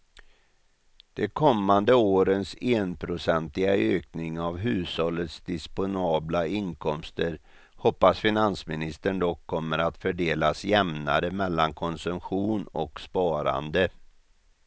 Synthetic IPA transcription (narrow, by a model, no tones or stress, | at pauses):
d̪̥ɛkʰɔmːand̪əoːɾənseːnpʰɾʊsɛnt̪lɪɡaøːknɪŋavɦʉ̟ːshɔlːət̪sd̪ɪspʊnɑːblaɪnkʰɔmst̪əɾ | hɔpːasfɪnansmɪnɪst̪əɳd̪ɔkʰːɔmːəɾat̪fœɖeːlasjɛmnaɾəmɛlːankʰɔnsɵmɧuːnɔ̰kspɑːɾa̰nd̪ə